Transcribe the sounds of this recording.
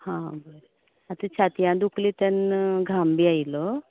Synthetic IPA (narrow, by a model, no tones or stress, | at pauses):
hãb | at̪ũt͡ɕʰat̪jãd̪uklit̪ənɡʱambiːajlɔ